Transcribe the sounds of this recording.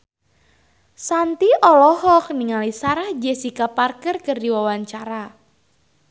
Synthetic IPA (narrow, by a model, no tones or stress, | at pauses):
sant̪iʔɔlɔhɔk̚niŋalisaɾahd͡ʒɛsikaparkərkərdiwawaɲt͡ʃaɾa